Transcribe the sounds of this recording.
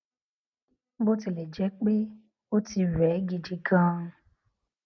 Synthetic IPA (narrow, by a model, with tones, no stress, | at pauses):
bo˦ti˧le˨d͡ʒɛ˦k͡pe˦ | wo˦ti˧wɛ˨˦ɡi˧d͡ʒi˧ɡã˦˧